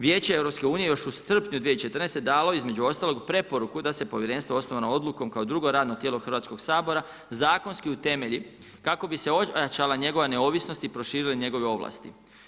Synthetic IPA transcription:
ʋjeːt͡ɕeeʋɾopske̞uːnije̞jo̞ʃusr̩pɲud̪ʋijet͡ʃe̞t̪ər̩nest̪e̞d̪aːlo̞izme̞d͡ʑuo̞st̪aːlo̞ɡpɾe̞po̞ɾukud̪ase̞po̞ʋje̞ɾe̞ːnst̪ʋoo̞snoʋanood̪lˠuko̞mkaod̪ɾuɡo̞ɾaːd̪not̪jeːlo̞xr̩ʋat̪sko̞ɡsaːbo̞ɾa | zaːko̞nskiut̪e̞me̞ʎi | kako̞bise̞ojat͡ʃalaɲe̞ɡo̞ʋane̞o̞ːʋisno̞st̪ipɾo̞ʃiːɾiliɲe̞ɡo̞ʋeo̞ʋlˠa̰st̪ḭ

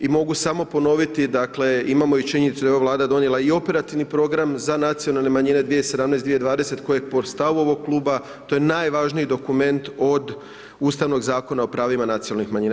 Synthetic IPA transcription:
imo̞ɡusamo̞po̞no̞ʋit̪id̪akle̞imamo̞it͡ʃiɲenit̪sud̪ajo̞alˠaːd̪ad̪o̞nelˠaio̞pe̞ɾat̪iʋnipɾo̞ɡɾamzanat̪sijo̞nalˠne̞maɲine̞d̪ʋijese̞d̪amnɛesd̪ʋied̪ʋaːd̪e̞se̞t̪ko̞jepo̞st̪aʋuo̞ʋo̞ɡ̚klˠuːba | t̪o̞jenajʋaʒniid̪o̞kume̞nt̪o̞d̪ | uːst̪aʋno̞ɡzaːko̞nao̞pɾaːʋimanat̪sionalnixmaɲiːna

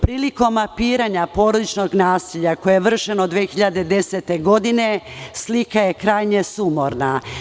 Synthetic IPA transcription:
pɾiːliko̞mːapiːɾaɲapo̞ːɾod̪it͡ʃno̞ɡnaːsiʎakojeeʋr̩ʃe̞nod̪ʋexiʎad̪e̞d̪e̞set̪e̞ɡo̞d̪ine̞slikaje̞kɾaːjɲe̞sumoɾna

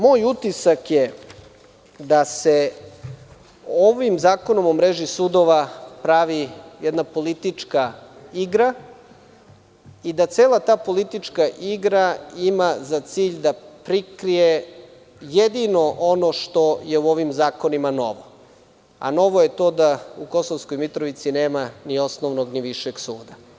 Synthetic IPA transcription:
mo̞ːjut̪isakje | d̪ase | oʋimzaːkono̞momɾeʒisud̪oʋapɾaʋijɛd̪napo̞lit̪it͡ʂkaiɡɾa | id̪at̪seːlat̪aːpo̞lit̪it͡ʂkaʔiɡɾaimazat̪siːʎd̪apɾikɾije | jed̪ino̞ʔono̞ʂt̪o̞je̞uo̞ʋimzaːko̞nimano̞̰ʋo | a̰no̞ʋoje̞t̪o̞d̪auko̞soʋsko̞jmit̪ɾoʋit̪sineːmanio̞snoʋnoɡniʋiʃeɡsuːd̪a

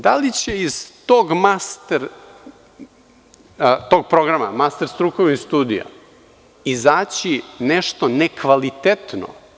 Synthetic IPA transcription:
d̪alit͡ɕeiz̥t̪oɡmast̪eɾ | t̪o̞ɡ̚pɾoɡɾama̰mast̪eɾst̪ɾukoʋnist̪uːd̪ija̰ | izaːt͡ɕineʃt̪onekʋalit̪et̪no̰

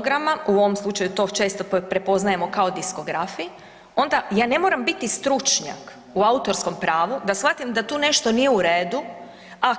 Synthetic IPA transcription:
ɡɾamauoʋo̞mslˠut͡ʃajut̪o̞ːt͡ʃe̞ːst̪opɾe̞po̞znaje̞mo̞kao̞d̪isko̞ɡɾafi | o̞nd̪ajaːne̞mo̞ːɾambit̪ist̪ɾut͡ʃɲa̰k | uaut̪o̞ɾsko̞mpɾaːʋud̪asfat̪imd̪at̪uːne̞ʃt̪onijeuɾeːd̪u | a

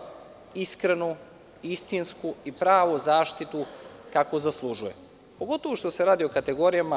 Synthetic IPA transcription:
iskɾenu | ist̪inskuipɾaːʋozaːʃt̪it̪ukakozaslˠuʒujḛ | po̞ɡo̞t̪o̞ʋuʃt̪o̞se̞ɾaːd̪io̞kat̪e̞ɡo̞ɾijama

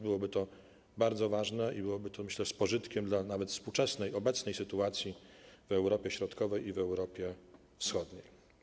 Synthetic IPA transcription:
bɘwɔbɘt̪ɔ | baɾd̪zɔvaʐnɛʔibɘwɔbɘt̪ɔmɘɕlɛspɔʐɘt̪kʲɛmd̪lanavɛt̪fspuwt͡ʂɛsnɛjɔbɛt̪snɛjsɘt̪uat̪sʲjivɛwɾɔpʲjɛɕɾɔt̪kɔvɛjivɛwɾɔpʲjɛ | fsxɔd̪ɲḛj

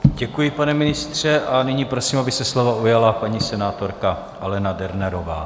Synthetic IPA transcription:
ɟɛkujɪpanɛmɪnɪst̪r̝̥ɛʔanɪɲiːpɾo̞siːmabɪsɛslo̞vaujalapaɲisɛnaːt̪o̞ɾka | ʔalɛnadɛɾnɛɾo̞va̰ː

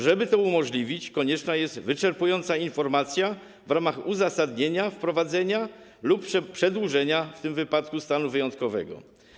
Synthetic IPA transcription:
ʐɛbɘt̪ɔumɔʐlʲivʲit͡ɕkɔɲɛt͡ʂnajɛst̪vɘt͡ʂɛɾpujɔnt̪sainfɔɾmat̪sʲja | vɾamaxuzasad̪ɲeɲafpɾɔvad̪zɛɲa | lupːʂpʂɛd̪wuʐɛɲaft̪ɘmvɘpat̪kust̪anuvɘjɔnt̪kɔvɛ̰ɡɔ̰

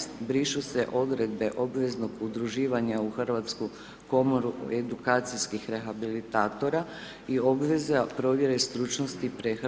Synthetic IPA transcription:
st̪bɾiʃuse̞ʔo̞d̪ɾe̞d̪be̞ʔo̞bʋe̞znoɡud̪ɾuʒiːʋaɲauxrʋat̪sku | komoɾued̪ukaːt̪sijskixɾe̞xabilit̪aːt̪o̞ɾa | io̞bʋe̞zapɾo̞ʋje̞ɾe̞st̪ɾut͡ʃnost̪ipɾex

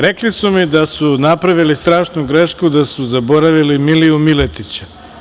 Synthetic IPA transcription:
ɾeklisumid̪asunapɾaʋilist̪ɾaːʃnuɡɾeʃkud̪asuzabo̞ɾaʋilimiliumilet̪it͡ɕa

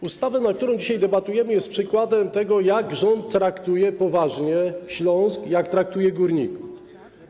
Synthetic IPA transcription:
ust̪avɛnak̚t̪uɾɔ̃w̃d͡ʑiɕajd̪ɛbat̪ujɛmɘjɛst̪̚pʂɘkwad̪ɛmt̪ɛɡɔjaɡʐɔnt̪ːɾakt̪ujɛpɔvaʐɲɛɕlɔ̃w̃skjakt̪ɾak̚t̪ujɛɡuɾɲiku

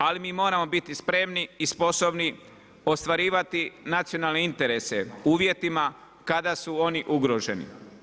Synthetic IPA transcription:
alimiːmo̞ːɾamo̞bit̪ispɾe̞mniispo̞so̞bni | o̞st̪ʋaɾiːʋat̪inat̪sio̞naːlˠneint̪e̞ɾe̞se̞uːʋje̞t̪ima | kad̪asuo̞niʔuɡɾo̞ʒe̞nḭ

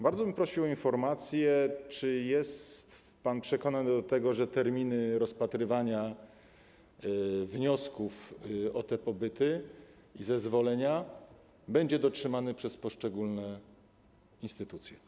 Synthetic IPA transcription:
baɾd̪zɔbɘmpɾɔɕiwɔinfɔɾmat̪sʲjɛt͡ʂɘjɛstt̪ | panpʂɛkɔnaɲd̪ɔt̪ɛɡɔʐɛt̪ɛɾmʲinɘɾɔspat̪ɾɘvaɲa | vɲɔskufɔt̪ɛpɔbɘt̪ɘ | izɛzvɔlɛɲa | bɛɲd͡ʑɛd̪ɔtʂɘmanɘpʂɛspɔʂt͡ʂɛɡulnɛ | inst̪ɘt̪ut̪sʲjɛ

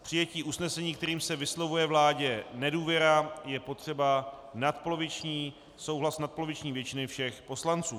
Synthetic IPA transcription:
pr̥ɪjɛciːʔusnɛsɛɲiːkt̪ɛɾiːmsɛvɪslovujɛvlaːɟɛnɛduːvjɛɾajɛpo̞t̪r̝̥ɛbanat̪̚polovɪt͡ʃɲiː | so̞wɦlasnat̪̚po̞lovɪt͡ʃɲiːvjɛt͡ʃɪnɪfʃɛxpo̞slant͡suː

